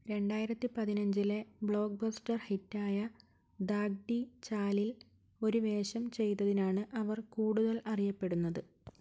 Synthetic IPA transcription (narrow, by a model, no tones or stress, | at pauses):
ɾe̞ɳɖaːjiɾɐt̪ːipɐðinɐɲd͡ʑile̞bɭo̞ːk̚bɐstɐrhitːaːjɐ | d̪aːɡ̚ɖit͡ɕaːlil | o̞ɾuʋe̞ːɕɐmt͡ɕe̞jt̪ːɐðinaːɳɨʔɐʋɐrkuːɽuðɐlɐrijɐpːe̞ɽunːɐðɨ